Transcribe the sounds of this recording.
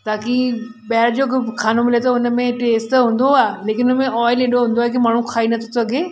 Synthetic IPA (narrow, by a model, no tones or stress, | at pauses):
t̪aːki | bɛɦɪɾd͡ʑoːkkʰaːnomɪlet̪ɐʊnəmẽʈeːsʈɦũːn̆d̪oaːɦeleːkɪnʊnəmẽʔɔːɪleɗoɦũːnd̪oːɦekimaːɳ̤̃ũkʰaːinɐt̪ʰo̥sɐɡʱeː